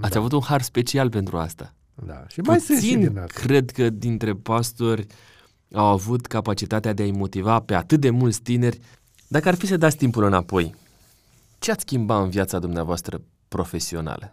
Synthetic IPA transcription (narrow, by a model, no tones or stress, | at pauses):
at̪sʲavut̪unharspe̞t͡ʃialpe̞nt̪ɾua̰st̪a | d̪a̰ʃpaujssinkɾe̞d̪kəd̪int̪ɾe̞past̪o̞rʲ | awavut̪kapat͡ʃit̪at̪ead̪e̞aimo̞t̪ivape̞at̪ɨt̪̚d̪e̞mult̪sʲt̪ine̞rʲ | d̪akəarfisəd̪at̪sʲt̪impulɨnapo̞j | t͡ʃeat̪skʲimbaɨnvjat̪sad̪umneavoast̪ɾə | pɾo̞fe̞sio̞na̰lə